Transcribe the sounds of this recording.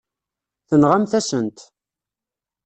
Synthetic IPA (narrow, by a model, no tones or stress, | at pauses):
θənʁamθæsənt̪